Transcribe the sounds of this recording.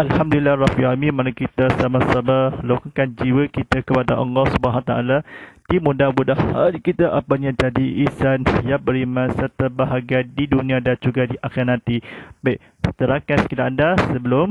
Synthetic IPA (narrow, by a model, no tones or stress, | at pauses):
ʔalhamdulilːahrafiɦamĩmanakit̪asamasamalokakand͡ʒiwəkit̪akəpadaʔɔ̰ŋɔsəbaɦat̪aʔalat̪imudabudahha̰ɾikit̪aʔapaɲãd͡ʒadiʔisanjabəɾimãsəɾt̪abaɦaɡadidunĩadand͡ʒuɡadiʔakanãt̪ibajʔ | sət̪əɾakanskidaʔkandasəbəlʊm